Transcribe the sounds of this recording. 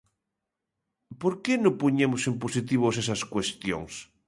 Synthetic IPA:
poɾkenõpoɲemosemposit̪̬iβoses̬ɐskwest̪jo̰ŋs

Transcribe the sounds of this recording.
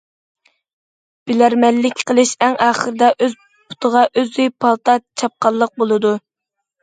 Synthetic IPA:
b̥ɪlæɾmɛlːɪkʲqʰəlˠɨʃæŋɑːχəɾɨd̪ɛʔøz | pʰu̥t̪ʰəʁɑʔøzd̪yjpʰɑlˠt̪ɑt͡ʃʰɑp̚qɑlˠːəq̚bolˠɨd̪u

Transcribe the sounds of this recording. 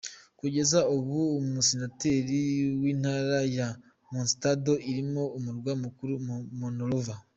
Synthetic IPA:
kuɟe̞zaoβuːmusinateɾiwiːnhaːɾaja | munsi̥tado̞iɾimoːmuɾɡwamukuɾumunoɾuva

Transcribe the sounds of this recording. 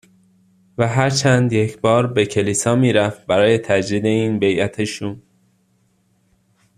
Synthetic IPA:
væɦæɾt͡ʃʰænd̪je̞cʰbɒːɾbe̞cʰe̞liːsɒːmiːɾæft̪bæɾɒːje̞t̪ʰæd͡ʒɾiːd̪e̞iːnbe̞jæt̪ʰeʃuːn

